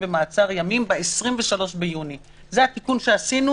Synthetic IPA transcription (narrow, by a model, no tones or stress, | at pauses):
bemaːt͡saʁjamimbeesʁimve̞ʃalo̞ʃbejuni | zeat̪ikunʃe̞asinu